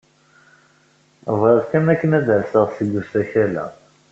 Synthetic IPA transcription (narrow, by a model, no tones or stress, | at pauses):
vɾəðkæmækːənæðəɾsəʁsəɡːusæçælæ̰